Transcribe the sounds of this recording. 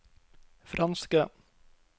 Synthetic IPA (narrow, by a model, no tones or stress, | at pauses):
fɾʔɑnskə